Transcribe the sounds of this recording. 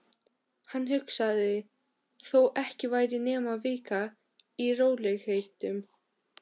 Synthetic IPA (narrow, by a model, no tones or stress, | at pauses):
hanːɦʏksaðɪ | θowʔɛhcɪvaːjɾɪnɛːmavɪːka | iroːwlɛɣhejt̪ʏm